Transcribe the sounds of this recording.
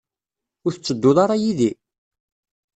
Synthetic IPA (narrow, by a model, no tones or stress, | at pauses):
ʊɾθət͡sːəd̪ːʊðˤɑɾˤɑjiði